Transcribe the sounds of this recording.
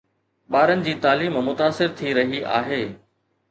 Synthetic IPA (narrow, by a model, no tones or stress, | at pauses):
ɓaːɾənɪ̆d͡ʑiːt̪aːliːmmʊt̪aːsɪɾt̪ʰiɾɐɦiʔa̰ːɦeː